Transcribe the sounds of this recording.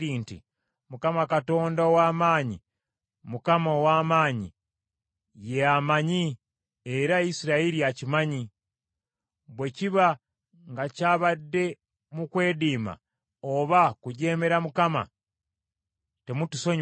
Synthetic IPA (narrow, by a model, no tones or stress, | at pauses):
iːntḭ | mukamakato̞ːndaowaːmaːɲḭ | mukamoowaːmaːɲḭ | jeamaɲi | eɾaisiɾaeɾijacimaɲi | βwe̞ciβa | ŋɡacaːβadːe̞ | mukwe̞ːdiːma̰ | oβakuɟe̞ːme̞ɾamukama̰ | te̞mutuso̞ɲ